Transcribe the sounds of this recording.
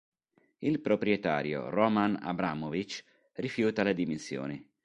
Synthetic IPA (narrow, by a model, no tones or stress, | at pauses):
ilpɾopɾjɛt̪a̰ːɾjo̰rɔmana̰bɾaːmovit͡ʃ | rifjuːt̪alad̪iminsjo̰ːnɪ